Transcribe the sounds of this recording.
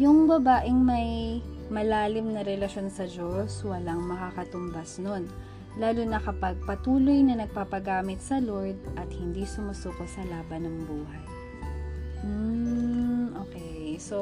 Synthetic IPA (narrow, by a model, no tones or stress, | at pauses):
jʊŋbɐbaːʔɪŋmɐj | mɐlaːlɪmnɐɾɛlɐʃo̞nsɐd͡ʒoswɐlɐŋmɐkakɐt̪ʊmbɐsnon | laːlʊnɐkɐpɐɡ̚pɐt̪uːlojnɐnɐɡ̚paːpɐɡaːmɪt̪̚sɐloɹd̪̚ʔɐt̪̚hɪnd̪isʊmɐsuːkot̪sɐlaːbɐnɐŋbuːɦɐj | m̩ | ʔoːkɛjso